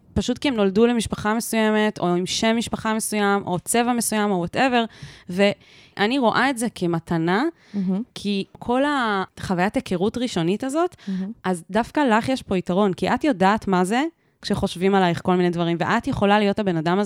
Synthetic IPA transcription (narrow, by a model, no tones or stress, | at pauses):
paʃutkiemno̞ldule̞miʃpaχamesuje̞me̞to̞imʃe̞mːiʃpaχame̞sujamʔo̞t͡se̞vame̞sujamo̞wate̞ve̞ʁve̞ | ʔaniʁo̞ʔae̞tzekʰe̞matʰana | kʰikʰo̞laχavajatekeʁutʁiʃo̞nitazo̞tazdafkalaχjeʃpo̞itaʁo̞nkiʔatjodaːtmaze̞ | kʃeχo̞ʃvimalajχko̞lminedvɐʁimvḛʔatjeχo̞lalijo̞thabe̞nadamaz